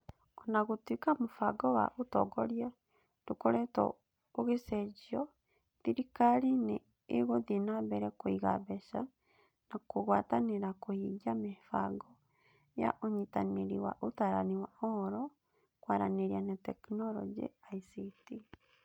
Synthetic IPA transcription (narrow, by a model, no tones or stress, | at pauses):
ɔnaɣotwikamofaɡɔwa̰ʔotɔ̰ɡɔɾja | dokoɾɛtɔ̰ | oɣesɛd͡ʒiɔ | ðiɾikaɾineː | ɣoðenabɛɾɛkoiɣa̰βɛʃa | nakoɣwataneɾakohiɡamefaɡɔ | ja̰ʔoɲitaneɾiwa̰ʔotaːɾaniwaɔɾɔ | kwaɾa̰neɾianatɛknɔɾɔ̰d͡ʒḭaisiti